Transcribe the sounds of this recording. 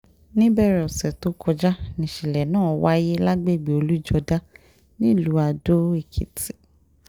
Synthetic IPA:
nĩ˦bɛ˦˨ɾɛ˨ɔ˨sɛ˨to˨˦kʰɔ˧d͡ʒa˦nĩ˨ʃi˨lɛ˨nãː˦˨wa˦je˦la˦ɡ͡be˦˨ɡ͡bi˨o˧lu˦i˦˨d͡ʒɔ˧da˦ | nĩ˦˨lu˨˦a˧do˦e˦˨kʰḭ˨ti̥˨

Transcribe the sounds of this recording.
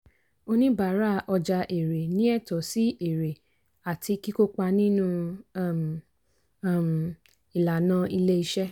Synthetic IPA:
o˧nĩ˦ba˨˦ɾa˦ʔɔ˧d͡ʒa˧ʔe˨ɾe˨nĩ˨˦ɛ˦˨tɔ˨˦si˦ʔe˨ɾe˨ | a˨tʰi˧˦ki˦ko˦k͡pa˧nĩ˦nũ˦˨ | m˨ | i˨la˨nã˧i˧le˦i˧ʃɛ˦

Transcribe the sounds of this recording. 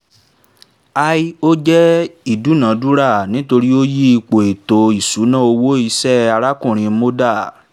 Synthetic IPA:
a˧i˦o˦d͡ʒɛ˦i˦˨du˨˦nã˨˦du˦ɾa˦˨nĩ˨˦to˧ɾi˦o˦ji˦i˧k͡po˨e˨to˨i˨su˨˦nã˦o˧wo˦i˧sɛ˦a˧ɾa˦kũ˦˨ɾ̃ĩ˧mo˦da˦˨

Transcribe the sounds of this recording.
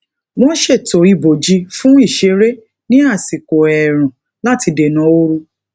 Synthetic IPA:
w̃ɔ̃˦n̩˦ʃe˦˨to˨i˨bo˨d͡ʒi˧˦fũ˦i˦˨ʃe˨˦ɾe˦ | nĩ˦a˦˨si˨ko˨ɛ˨ɾ̃ũ˨ | la˦ti˧de˨nɔ̃˨˦o˦ɾu˧

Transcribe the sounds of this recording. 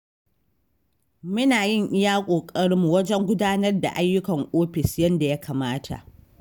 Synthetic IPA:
mʊ˦naː˨jɪ˦˨ŋʔɪ˦jaː˦kʷʼoː˨kʼɐ˦ɽmu˨wɐ˦d͡ʒɛ˦ŋɡʷʊ˦daː˦nɐ˦rda̰˨ʔa˦jːʊ˦kɐ˨ŋʔoː˦ɸɪ˨sjɐ˦nda˨ja˦kaː˨maː˦tʰa̰˨ʔ

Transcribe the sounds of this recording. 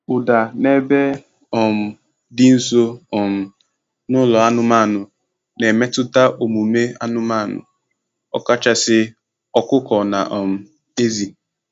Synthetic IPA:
ʊ˨da˨ne˨be˦ | ɔ˨m̩˨ | dɪ˦n̩˦so˦ɔ˨m̩˨ | nʊ˦lɔ˨a˦nʊ˦ma˦˨nʊ˨ | ne˨me˦tʊ˦ta˦ʔo˨mu˨me˦a̰˦nʊ˦ma˦˨nʊ̰˨ | ɔ̰˦ka˦t͡ʃa˦sɪ˦ | ɔ˦kʊ˦kɔ˨na˨ʔɔ˨m̩˨ | e˦zi˨

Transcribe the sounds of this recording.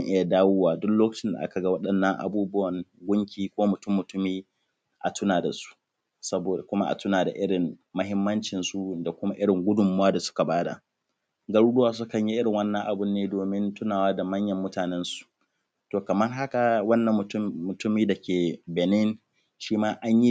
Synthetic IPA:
ŋʔɪ˦ja˨daː˦woː˦waː˨dʊ˦kloː˦kɐ̥˨t͡ʃɪ˦nda̰˨ʔa̰˦ka˨ɡa˦wɐ˦ɗɐ˨nːɐ˦ŋʔa̰˨buː˦bʊ˦wɐ˨ŋɡʷʊ˦ŋkʲiː˨kʷoː˦mʊ˨tʊ˦mːʊ˨tʊ˦miː˦ | ʔa̰˨tʊ˦naː˨da˨su̥˦ʔ | sɐ˦boː˨da˨kʷʊ˦ma˦ʔa̰˨tʊ˦naː˨da̰˨ʔɪ˦ɽɪ˨ŋmːɐ˦ɦɪ˦mːɐ˦nt͡ʃɪ˨nsu˦da˨kʷʊ˦ma˦ʔɪ˦ɽɪ˨ŋɡʷʊ˦dʊ˨mʊ˨waː˦da˨sʊ̥˦ka˨baː˦da̰˨ | ɡɐ˦ɽuː˦ɗdʊ˦waː˦s̬ʊ˦kɐ˨ɲji˦ʔɪ˦ɽɪ˨ŋwɐ˦nːɐ̃˨ŋʔa˨bʊ˦nːeː˦doː˨mɪ˦ntʊ˦naː˨waː˦da˨mɐ˦ɲjɐ˨mːʊ˦taː˨nɛ˦nsu̥˨ | toː˨kɐ˨mɐ˦rɦa˦ka˨wɐ˦nːɐ˨mːʊ˨tʊ˦mːʊ˨tʊ˦miː˦da˨kʲeː˨bɛ˨nɪ˦n | ʃiː˦maː˦ʔa˦ɲji˦

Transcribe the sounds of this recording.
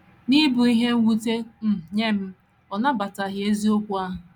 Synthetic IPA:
ni˦bu˨i˦ɦe˦wu˦te˦m̩˨ɲe˦m̩˦ | ɔ˨na˦ba˨ta˨ɦje˦zi˦o˦kʷu˦a˦ɦʊ˨

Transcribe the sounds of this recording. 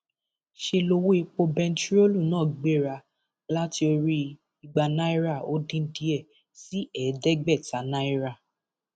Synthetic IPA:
ʃe˧lo˧wo˦i˧k͡po˧bɛ̃˧n̩˦t͡ʃu˦ɾo˦lu˦˨nãː˦˨ɡ͡be˦˨ɾa˧ | la˦ti˧o˧ɾi˧ | i˧ɡ͡ba˧nã˦i˦ɾa˦˨o˦dĩ˧n̩˦di˦ɛ˦˨ | si˦ɛ˨˦dɛ˦ɡ͡bɛ˦˨ta˨˦nã˦i˦ɾa˦˨

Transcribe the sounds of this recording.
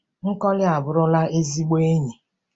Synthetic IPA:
ŋ̩˦kɔ˦lɪ˦a˨bʊ˨ɾʊ˦la˦e˦zi˦ɡ͡be˦ɲi˨

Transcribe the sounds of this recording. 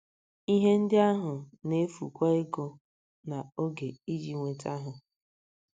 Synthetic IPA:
i˦ɦe˦n̩˦dɪ˦a˦ɦʊ˨ne˦fṵ˨kʷa˦e˦ɡo˦ | na˨o˦ɡe˨i˦d͡ʒi˨ŋʷe˨ta˦ɦʊ˨

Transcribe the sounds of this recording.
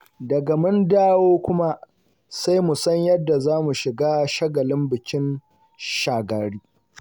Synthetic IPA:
dɐ˨ɡa˨mʊ˦ndaː˦woː˦kʷʊ˦ma˦ | sa˦jmu˨sɐ˦ɲjɐ˦dːa˨zaː˦mu˨ʃɪ˨ɡaː˦ʃɐ˦ɡɐ˨lɪ˦mbɪ˨kʲɪ˦n | ʃaː˨ɡa˨ɽiː˦

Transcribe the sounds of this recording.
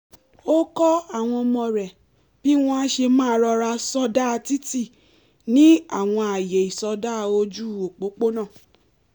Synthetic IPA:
o˦kɔ˦a˦˨w̃ɔ̃˧ɔ˧mɔ̃˧ɾɛ˨ | b̥i˦w̃ɔ̃˦a˦ʃe˧mãː˦˨˧ɾɔ˧ɾa˧sɔ˧da˦˧ti˦ti˦˨ | nĩ˦a˦˨w̃ɔ̃˧a˨je˨i˨sɔ˧da˦˧o˧d͡ʒu˦o˨k͡po˨˦k͡po˦nãː˦˨

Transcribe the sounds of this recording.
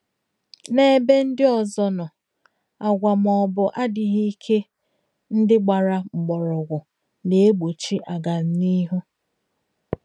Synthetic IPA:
ne˦e˦be˦n̩˦dɪ˦ɔ˨zɔ˨nʊ˨ | a˨ɡʷa˨mɔ˨bʊ˨ʔa˦dɪ˨ɦi˦kʰe˦ | n̩˦dɪ˦ɡ͡ba˨ɾa˨ŋ͡m̩˨ɡ͡bɔ˨ɾɔ˨ɡʷʊ˨ | ne˨e˦ɡ͡bo˨t͡ʃi˦ʔa˨ɡa˨n̩˨ni˦ɦu˦

